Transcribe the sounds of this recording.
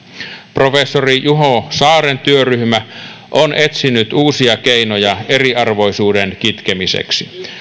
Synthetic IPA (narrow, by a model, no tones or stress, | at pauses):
pro̞fesːorijuɦosɑːɾent̪yøryhmæ | ʔonʔe̞t̪sinyt̪uːsiɑkeinojɑe̞riɑrʋo̞jsuːdenkit̪kemisḛksi